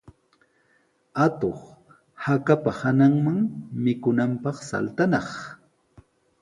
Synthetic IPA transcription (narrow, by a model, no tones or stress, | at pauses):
at̪oχ | hakapahanaŋmaŋmɪkʊnampɑχsa̰lt̪anɑχ